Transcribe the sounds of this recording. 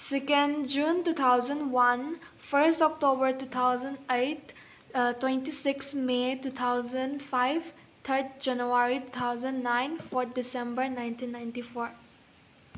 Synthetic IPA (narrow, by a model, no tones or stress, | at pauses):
sɛkə̃nɖd͡ʒũːntuːt̪ʰaʊzə̃nɖwɐ̃nfəɾsʈɔk̚ʈoːbəɾtuːt̪ʰaʊzə̃nɖeɪʈ | twɛ̃nʈisɪksmetut̪ʰaʊzə̃ɳɖfaɪʋ | t̪ʰəɾd̚d͡ʒãnjuaɾitut̪ʰaʊzə̃nɖnãɪ̃nfɔɾt̪̚ʰɖɪsɛ̃mbəɾnãɪ̃ntʰĩːnːãɪ̃nʈifoːɾ